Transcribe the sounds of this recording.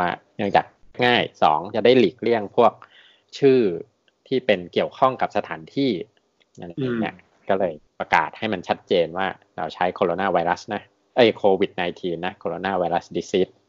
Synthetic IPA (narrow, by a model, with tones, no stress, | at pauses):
waː˥˩nɯ˧˥˧ŋt͡ɕa̰ː˨˩k̚ŋaː˥˩jsɔ̰ː˩˦ŋt͡ɕa˨˩da˥˩jli˨˩k̚li˥˩əŋpʰu˥˩ək̚ | t͡ɕʰɯː˥˩ | t̪ʰiː˥˩pe˧nki˨˩əwkʰɔ˥˩ŋka˨˩p̚sa˧t̪ʰaː˩˦nt̪ʰiː˥˩ | a̰˧na˧i˧nḭ˥˩ | kɔː˥˩lɤː˧jpɾa˧ka̰ː˨˩t̪̚ha˥˩jma˧nt͡ɕʰa˦˥t̪̚t͡ɕeː˧nwaː˥˩ | ɾa̰˧wt͡ɕʰa˦˥jkʰoː˧ɾoː˧naː˥˩wa˧jɾa˦˥sna˦˥ | ʔɤ˦˥˩jkʰoː˧wi˨˩t̪̚naː˧jt̪ʰiː˧nːa˦˥kʰoː˧ɾoː˧naː˥˩wa˧jɾa˦˥sdiː˧˥si˦˥t̪̚